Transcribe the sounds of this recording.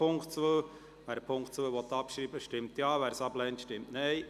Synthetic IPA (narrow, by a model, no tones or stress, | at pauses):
ʊŋktt͡sʋəː | ʋæːɾəpʰʊŋktt͡sʋəʋɔt̪ːɑpʃɾiːbəʃtɪmt̪jɑːʋæːɾsɑblɛnt̪ʃtɪmtnɛɪ